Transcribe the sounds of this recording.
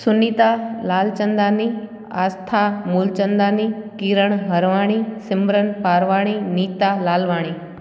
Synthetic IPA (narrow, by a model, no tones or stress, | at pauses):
sʊniːt̪alaːlt͡ʃɐ̃nd̪aːni | a̰ːst̪ʰaːmuːlt͡ʃə̃nd̪aːnikiːɾəɽ̃ɦɐɾʋaːɽ̃isɪmbɾənpaːɾʋaːɽ̃iniːt̪aːlaːlʋaːɽ̃iː